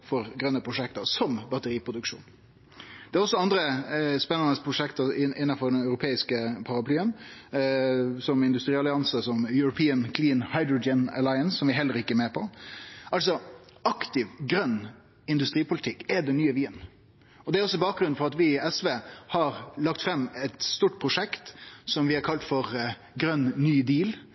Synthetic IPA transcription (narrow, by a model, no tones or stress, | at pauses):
fɔɾɡɾœnːəpʰɾʊʂɛkt̪əsɔmbɑt̪əɾiːpʰɾʊd̪ʉkʂṵːn | d̪̥ɛːɾɔsːɔɑnd̪ɾəspɛnːɑnəspʰɾʊʂɛkt̪əɪɪnːɑfɔɾd̪ɛnɑʉɾʊpʰeːɪskəpʰɑɾɑpʰlyːən | sɔmɪnd̪ʉst̪ɾiːɑlɪɑnsəsɔmjʉɾʊpʰiːənkʰliːnhɑɪd̪ɾʊd͡ʒɛnə̰laɪənsːɔmʋɪɦɛlːəɾɪkːəɛmeːpʰɔɑls̬ɔɑkt̪ɪʋɡɾœnː | ɪnd̪ʉst̪ɾiːpʊlɪt̪ʰɪkːɛd̪ɛnːyːəʋiːən | ɔd̪ɛæɾɔsːɔbɑːk̚ɡɾʉn̩fɔɾɑt̪ʋɪɛsʋeːhɑɾlɑkt̪fɾɛmːɛt̪st̪uːʈ̚pʰɾʊʂɛkt̪sɔmʋɪɛɾkʰɑlt̪fɔɾ | ɡɾœnːyːd̪iːl